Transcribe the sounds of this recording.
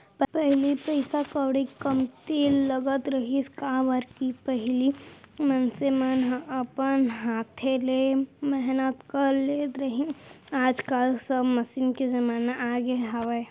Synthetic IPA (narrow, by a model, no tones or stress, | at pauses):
ppɛɦlipəɪsakəwɽikəmt̪iləɡət̪ɾəɦiskaʋəɾkipəɦlimənsemənɦəpənɦaːt̪ʰelemɛɦnət̪kəɾlet̪ɾəɦĩ | aːd͡ʒkəlsəbməsiːnked͡ʒɐmaːnaʔaːɡeɦaʋe